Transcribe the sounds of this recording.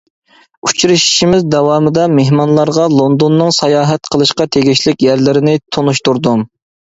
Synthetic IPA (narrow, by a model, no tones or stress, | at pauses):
u̥t͡ʃʰuɾɨʃi̥ʃimɪzd̪ɛwɑːmɨd̪ɑmeɦmɑnlˠɑɾʁɑlˠond̪onːɨŋsɑjɑːɦɛt̪qʰəlˠɨʃqɑt̪ʰeɡʲiʃlɪkʲjæɾlɪɾɪnɪt̪ʰonuʃt̪uɾd̪um